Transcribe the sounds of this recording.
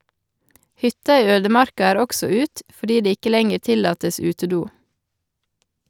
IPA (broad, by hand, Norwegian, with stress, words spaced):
ˈhʏtɑ ˈiː ˈøːdəˌmɑɾkɑ ˈæːɾ ˈɔksɔ ˈʉːt fɔˈɖiː ˈdeː ˈɪkə ˈlɛŋəɾ ˈtɪlɑːtəs ˈʉːtəˌduː